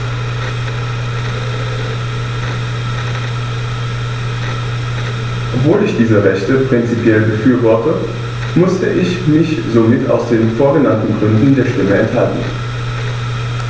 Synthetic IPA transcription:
ʔɔpv̥oːlɪçd̥iːzəʁɛçtəpʁ̥ɪnt͡sipjɛlbəfyːɐvɔɐtə | mʊstəʔɪçmɪçzoːmɪta̰ʊsd̥eːnfoːɐɡənantn̩ɡʁʏndn̩deːɐʃtɪməɛntha̰ltn̩

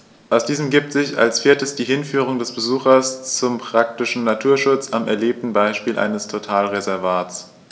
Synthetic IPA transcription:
ʔaʊsd̥iːzəmɡiːp̚tz̥ɪça̰lsfiːɐtəsd̥iːhɪnfyːʁ̞ʊŋdɛsb̥əzuːxɐst͡sʊmpʁ̥ak̚tɪʃn̩natʰuːɐʃʊt͡samɛɐleːp̚tn̩baɪʃpiːlʔa̰ɪnəstʰotʰaːlʁezɛɐvaːt͡s

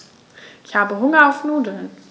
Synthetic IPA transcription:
ʔɪçhaːbəɦʊŋɐaʊfnuːdl̩n

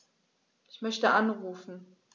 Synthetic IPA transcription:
ʔɪçmœçtəʔanʁuːfn̩

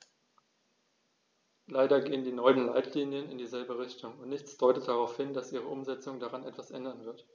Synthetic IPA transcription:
laɪdɐɡeːəndiːnɔʏənlaɪtʰliːnjənɪndiːzɛlbəʁɪçtʊŋʊntnɪçt͡sd̥ɔʏtət̚d̥aʁaʊfhɪndasʔiːʁ̞əʔʊmzɛt͡sʊŋdaʁanʔɛtv̥asʔɛ̰ndɐnvɪɐt

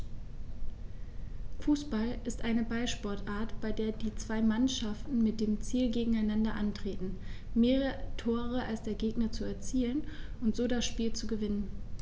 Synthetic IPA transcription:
fuːsb̥alʔɪstʔaɪnəbaɪʃpɔɐtʔaːɐtb̥aɪdeːɐdiːt͡sv̥aɪmanʃaftn̩mɪt̚d̥eːmt͡siːlɡeːɡŋ̩aɪnandɐʔantʁ̥eːtn̩meːʁətʰoːʁ̞əʔalsd̥eːɐɡeːɡnɐt͡suɛɐt͡siːlənʔʊntz̥oːdasʃpiːlt͡suɡəvɪnən

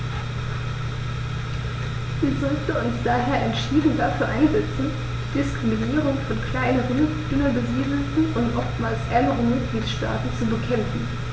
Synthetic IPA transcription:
viːɐzɔltn̩ʊnsd̥aːɦeːɐʔɛntʃiːdn̩daːfyːɐʔaɪnzɛt͡sn̩ | d̥iːdɪskʁ̥ɪminiːʁʊŋfɔnkl̥aɪnəʁyd̥ʏnɐbəziːdl̩tn̩ʊntʔɔftmaːlsʔɛɐnəʁəmɪt̚ɡ̥liːtʃta̰ːtn̩t͡subəkʰɛmfn̩

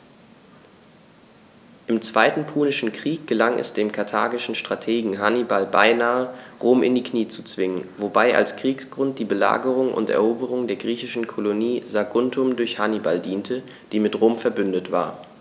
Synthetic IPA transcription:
ʔɪmt͡sv̥aɪtn̩pʰuːnɪʃn̩kʁ̥iːk̚ɡ̥əlaŋʔɛ̰sd̥eːmkʰaɐtʰa̰ːɡɪʃn̩ʃtʁ̥atʰeːɡŋ̩ɦanibalbaɪnaːəʁoːmʔɪ̰ndiːkniːt͡su̥t͡sv̥ɪŋənvobaɪʔa̰lskʁ̥iːksɡ̥ʁʊnt̚d̥iːbəla̰ːɡəʁʊŋʔʊ̰ntɛ̰ɐʔoːbəʁ̞ʊŋdeːɐɡʁiːçɪʃn̩kʰoloniːzaɡʊntʰʊmdʊɐçhaniba̰ldiːntʰə | d̥iːmɪtʁoːmfɛɐbʏndətv̥a̰ːɐ

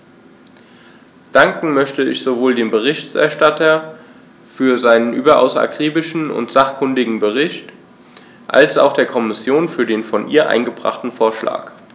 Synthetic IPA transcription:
d̥aŋkŋ̩mœçtəɪçz̥ovoːldeːmbəʁ̞ɪçtɛ̰ɐʃtatʰɐ | fyːɐzaɪnənʔyːbɐʔa̰ʊsa̰kʁ̥iːbɪʃn̩ʊ̰ntz̥aχkʰʊndɪɡŋ̩bəʁ̞ɪçt | ʔa̰lsa̰ʊxd̥eːɐkʰɔmɪsjoːnfyːɐdeːnfɔnʔḭːɐʔa̰ɪnɡəbʁa̰χtn̩foːɐʃla̰ːk

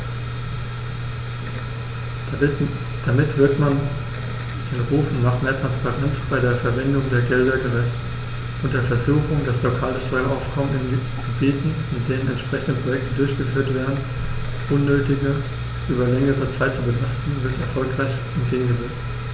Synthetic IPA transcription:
d̥amɪthøɐtman | d̥eːnʁuːf̩naːχmeːɐtʁ̥anspaʁɛnt͡sb̥aɪdeːɐfɛɐvɛndʊŋdeːɐɡɛldɐɡəʁɛçt | ʔʊntd̥eːɐfɛɐzuːxʊŋdaslokʰaːləʃtʰɔʏɐʔaʊfkʰɔmənɪn | ɡ̥əbiːtn̩mɪtd̥eːnənɛntʃpʁ̥ɛçn̩dəpʁ̥ojɛk̚tədʊɐçɡ̥əfyːɐtv̥eːɐdn̩ | ʔʊnːøːtɪɡə | ʔyːbɐlɛŋəʁət͡saɪtt͡subəlastn̩vɪɐtɛɐfɔlkʁ̥aɪç | ɛntɡ̥eːɡŋ̩ɡəvɛkt

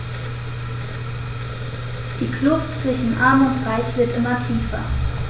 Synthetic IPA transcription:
d̥iːklʊftt͡sv̥ɪʃn̩ʔaɐmʊntʁaɪçv̥ɪɐtʔɪmɐtʰiːfɐ

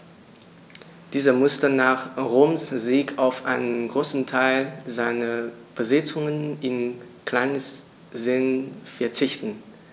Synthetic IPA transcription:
d̥iːzɐmʊstənaːχʁoːmsziːkʰaʊfʔa̰ɪnənɡʁoːsn̩tʰaɪlzaɪnəb̥əzɪt͡sʊŋənɪnkl̥aɪnəs | zɪnfɛɐt͡sɪçtn̩

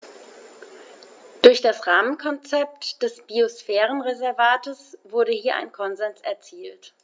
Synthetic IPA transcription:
d̥ʊɐçd̥asʁaːmənkʰɔnt͡sɛp̚td̥ɛsb̥iosfɛːʁ̞ənʁezɛɐvaːtəsv̥ʊɐɾəhiːɐʔa̰ɪnkʰɔnzɛnsɛɐt͡siːlt

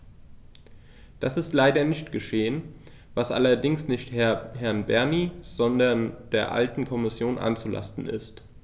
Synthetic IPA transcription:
d̥asɪstlaɪdɐnɪçtɡ̥əʃeːən | vasʔa̰lɐdɪŋsnɪçthɛɐɦɛɐnbɛɐniz̥ɔndɐnd̥eːɐʔa̰ltn̩kʰɔmɪsjoːnʔa̰nt͡sula̰stn̩ɪ̰st

